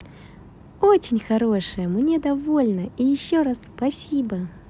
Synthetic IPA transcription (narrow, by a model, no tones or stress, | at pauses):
ot͡ɕɪnʲxɐɾo̞ʂɨjəmnʲed̪ɐvolʲnəijɪɕːoɾasːpɐsʲibə